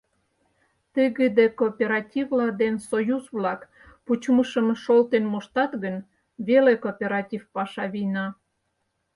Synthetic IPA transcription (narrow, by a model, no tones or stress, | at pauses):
t̪əɣəd̪ekopʲeɾɑtʲivlɑd̪ensojuzβlɑk | put͡ɕməʃəmʃolt̪enmoʃt̪ɑt̪ɣən | βelekopʲeɾɑtʲifpɑʃɑβinɑ